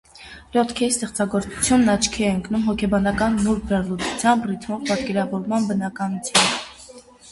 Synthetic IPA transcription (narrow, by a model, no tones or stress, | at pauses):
lɔt̪ʰkʰɛɾist̪ɛχt͡sɑɡɔɾt͡su̥t͡sʰjunːɑt͡ʃʰkʰiɛəŋkʰnumɦɔkʰɛbɑnɑkɑnːuɾbɛrlut̪ut͡sʰjɑmbrit̪ʰmɔvpɑt̪kɛɾɑvɔɾmɑnbənɑkɑnut͡sʰjɑmb